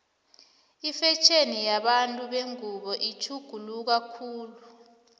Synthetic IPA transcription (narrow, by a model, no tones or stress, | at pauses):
ifɛt͡ʃʰenijaɓantʼuɓeŋuɓɔʔit͡ʃʰuɡ̥ʱuluk̬akʰuːlu